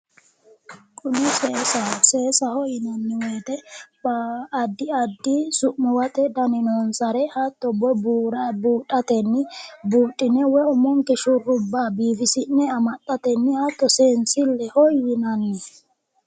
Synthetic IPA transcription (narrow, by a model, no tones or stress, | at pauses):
kʼʊnɪseːsɐseːsɐhɔjɪnɐnːɪweːt̪ɛbːd̪ːɪɐd̪ːisʊʔmːɛwɐt̪ʼɛd̪ɐnɪnoːnsɐɾɛhat̪ːɔbɔbuːɾɐbuːtʼːɐt̪ɛnːɪbuːtʼːɪnɛwɛɔmɔŋkɛʃʊrːʊbːaːbiːfɪsɪnːɛɐmɐt̪ʼːɐt̪ɛnːɪhat̪ːɔseːnsɪlːɛhɔjɪnɐnːɪ